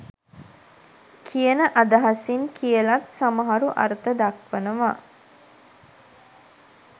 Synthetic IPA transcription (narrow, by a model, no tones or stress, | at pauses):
kʰijənəʔad̪aɦasiŋkʰijəlat̪saməɦaɾuʔa̰ɾət̪əd̪akʋənəʋa